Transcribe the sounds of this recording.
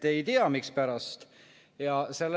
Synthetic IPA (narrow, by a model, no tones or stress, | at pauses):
ejt̪eɑmikspæɾɑst̪ | jɑselː